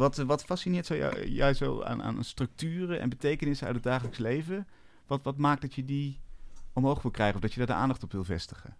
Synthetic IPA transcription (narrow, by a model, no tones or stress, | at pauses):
ʋɑtʋɑtfɑsinɪːɹtsɔwj̰jɛ̰jzo̰wa̰ːna̰ːnə̰nstrɵk̚tyːrəɛ̰nbətejkənɪsəœ̰tədaːχələkslejvə | ʋɑtʋɑtmaːk̚dɑtjədi | ɔmɦowχʋɪlˠkrɛjχəɔfvdɑjədaːɹdəʔa̰ːndɑχtɔpʋɪlˠvɛ̰stə̥χə̰